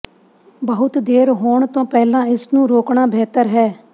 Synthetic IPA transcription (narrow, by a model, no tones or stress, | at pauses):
bəɦʊt̪d̪eːɾɦoːɳt̪õːpɛːlãːɪsnũːɾoːkɳaːbʱɛːt̪əɾɦɛː